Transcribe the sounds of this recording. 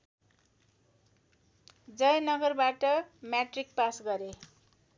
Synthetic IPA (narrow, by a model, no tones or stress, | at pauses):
d͡zʌjnʌɡʌrbaʈʌmjaʈrik̚pasɡʌɾe